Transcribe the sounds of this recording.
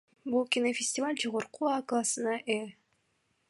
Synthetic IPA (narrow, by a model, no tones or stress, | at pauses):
bulˠkʲinofʲɪsʲtʲɪvalʲd͡ʒoʁoɾquaklˠasɨnɑʔe